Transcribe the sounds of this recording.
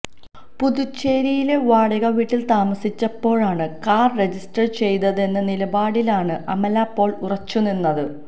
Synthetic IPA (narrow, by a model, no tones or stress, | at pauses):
puðut͡ɕːeːɾijile̞ʋaːɽɐɣɐʋiːʈːilt̪aːmɐsit͡ɕːɐpːo̞ːɻaːɳɨkaːrre̞d͡ʑisʈɐrt͡ɕe̞jt̪ɐðe̞nːɐnilɐbaːɽilaːɳɨʔɐmɐlaːpːo̞ːɭurɐt͡ɕːuninːɐðɨ